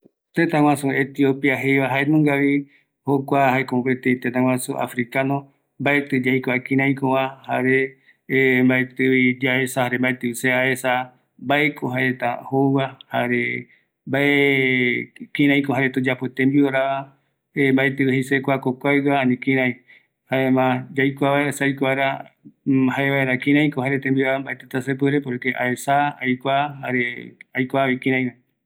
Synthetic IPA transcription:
t̪ẽt̪ãw̃ãsuet̪iopiaɦejβaɦaenũŋɡaβi | hokʷahaekomopet̪eit̪ẽt̪ãw̃ʷãsuʔa̰fɾikano | mbaet̪ɨd͡ʒajkʷaekĩɾ̃ãj̃kowãhaɾe | mbaet̪ɨβid͡ʒaesahaɾembaet̪ɨiseaesa | baekʰoɦaet̪ahouwahaɾe | mbae | kĩɾ̃ãj̃koɦaɾet̪od͡ʒapot̪ẽmbioɾaβa | embaet̪ɨwihesekʷakokʷajɡaanĩkĩɾãj̃ | haemãd͡ʒajkʷaβaeasajkʷaɾa | haeβaeɾakĩɾ̃ãj̃kohaɾet̪embiaɾambaet̪et̪asep̬ɨɾepoɾekeʔa̰esaajkʷahaɾeajkʷaβikĩɾ̃ãj̃βa

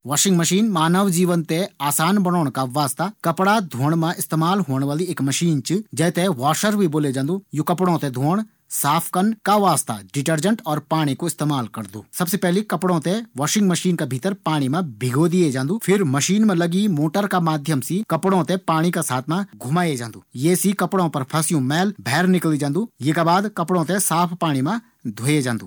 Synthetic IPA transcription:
ʋaːʃɪ̃ŋɡmɐʃiːnmaːnəʋd͡ʒiːʋənt̪eaːsaːnbɐnɔːɽkaʋaːst̪akɐpɽad̪ʱoːɽ̃mãʔɪst̪eːmaːlɦoːɽ̃ʋaːlieːkmɐʃiːnt͡ʃɨd͡ʒɐːt̪eʋaːʃəɾbʱiboːled͡ʒãːnd̪ujokɐpɽõt̪ẽd̪ʱoːɽ̃ | saːpʰkənkaʋaːst̪a̰ɖɪʈəɾd͡ʒə̃ɳʈɔːɾpaːɽ̃ikoɪst̪eːmaːlkɐɾd̪o̰ːsɐbsepɛɦlikɐpɽõt̪eʋaːʃɪ̃ŋɡmɐʃiːnkabʱit̪əɾpaːɽ̃imãbʱɪɡod̪ied͡ʒãːnd̪uːpʰɪɾmɐʃiːnmẽlɐɡimoːʈəɾkamaːd̪ʱjəmsikɐpɽõt̪epaːɽ̃ikasaːt̪ʰmãɡʱʊmaːed͡ʒãːnd̪uːjeːsikɐpɽõpɐɾpʰɐsjũmɛːlbʱɛːɾnɪklid͡ʒãːnd̪uːjeːkabaːd̪kɐpɽõt̪esaːpʰpaːɽ̃imẽ | d̪ʱoːjed͡ʒãːnd̪uː

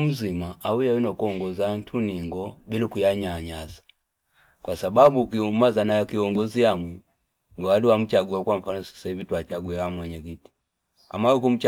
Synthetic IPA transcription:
m̩zimaaujawinɔkuɔŋɡɔzan̩tʰuniŋɡɔbilikujaɲaɲazḁ | kwʔasababukiumazanakiɔŋɡɔzijamwɛ | ŋɡɔwaliwam̩t͡ʃaɡuakwam̩fanɔsi̥saivituat͡ʃaɡuɛwamwɛɲɛkiti̥ | a̰mawukum̩t͡ʃ

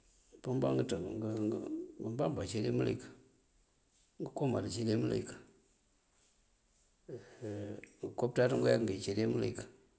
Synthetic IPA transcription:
pəmba̰ŋɡətəŋɡəbəmbambat͡ʃeɾemulḭk | ŋɡəkoma̰dət͡ʃeɾeməlḛk | ŋɡəkop̚tatəŋɡojakŋɡet͡ʃeɾemulḭk

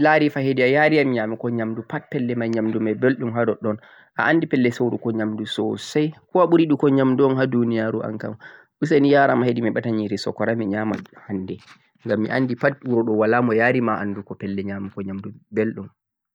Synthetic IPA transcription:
laɾifahediajaɾiamiɲamukɔɲamdupat̚pɛlːɛmaɲamdumabelɗumɦadɔɗɔn | ʔa̰ʔandipɛlːɛsowɾukɔɲamdusɔ̰sajkɔaɓuɾiɗukɔɲamduɔnhadunijaɾuʔa̰ŋka̰m | ʔus̬anijaːɾamahedimiɓataɲiɾisɔ̰kɔɾamiɲamahandɛ | ŋɡamːḭʔanːdipat̚ɓuɾɔɗɔwalamɔjaːɾimaʔa̰ndukɔpɛlːɛɲamukɔɲamdubelɗum

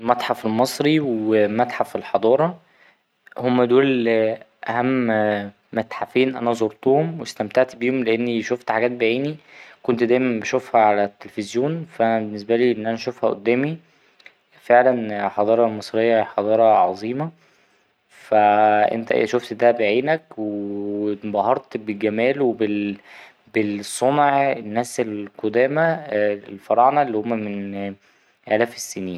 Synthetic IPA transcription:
mæt̪ħafelmɑsˤɾiwemæt̪ħafelħɑd̪ˤɑːɾˤɑ | homːæd̪uːl | ʔæhæmː | æt̪ħafiːnʔænæzoɾt̪ˤuːhomwest̪æmt̪aʕt̪biːhomleʔenːiʃoft̪ħaɡæːt̪̚beʕiːnikont̪d̪æːjmæmbeʃofhæʕalæt̪ːelefezjoːnfæbenːes̬bæliːʔenːʔænæʃofhæʔo̰d̪ːæːmi | feʕlænħɑd̪ˤɑːɾˤɑlmesˤɾejːɑħɑd̪ˤɑːɾˤɑʕɑzˤiːmɑ | fæʔḛnt̪æʔʃoft̪d̪æbeʕiːnækwe | bɑɦɑɾˤt̪belɡæmæːlwebel | besˤonʕenːæːselqod̪æːmælfɑɾˤɑʕnɑelːiːhomːæmen | ʔælæːfesːæniːn

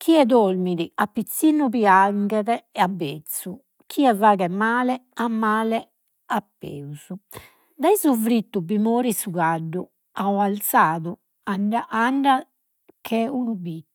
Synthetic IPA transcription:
k̟ʰiɛd̪olmiðiapːit̪sːinːupiaŋɡɛðɛabːet̪sːu | kʰiɛvaːɣɛmaːlɛamːaːlɛ | apːḛːuz̥u | d̪aizuvɾit̪ːubimoːɾisuɣaɖːu | aɔalt̪saːðu | aɳɖaʔaɳɖa | kʰɛunubi

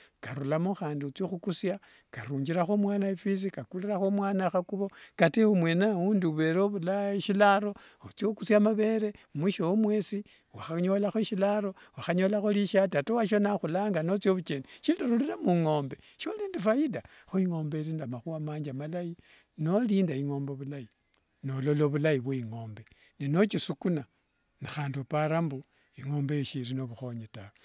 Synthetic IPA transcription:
kaɾulamoxaːndiut͡soxukusjakaɾuːɲd͡ʒiɾaxomwaːnaefis̬ikakuliɾaxomwaːnaxakuβo̞kateumwe̞nauːndiβe̞ɾoβulaʃilaɾo̞ut͡sjokusjamaβe̞ɾemiʃowomwesi | waxaɲo̞laxoʃilaɾo̞waxaɲo̞laxoliʃatatowaʃ̬onaxulaːŋɡanot͡sjoβut͡ʃeniʃinduɾuliɾamuŋo̞ːmbe̞ʃioliːndifajidaxoiŋo̞ːmbeɾiːndamaxuamaːɲd͡ʒamalaji | no̞liːndaiŋo̞ːmboβulai | nolo̞loβulajiβweiŋo̞ːmbe̞neno̞t͡ʃisukuna | nixaːndupaɾambu | iŋo̞ːmbejoʃiɾino̞βuxo̞ɲetawe

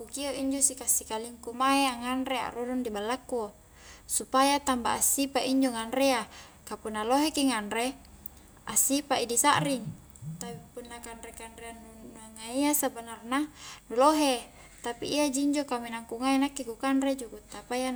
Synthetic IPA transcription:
kukioʔiɲd͡ʒosikasːikaliŋkumaeaŋanɾea̰ʔrodundibalːakːu | supajat̪amba̰ʔasipaʔiɲd͡ʒoŋanɾea | kapunːaloɦekiŋanɾe | asipaidisaʔɾiŋ | t̪apipunːakanɾekanɾeanunaŋaiasabanarnanuloɦe | t̪apḭːad͡ʒiɲd͡ʒokaminaŋkuŋainakːikukanred͡ʒukut̪apaja

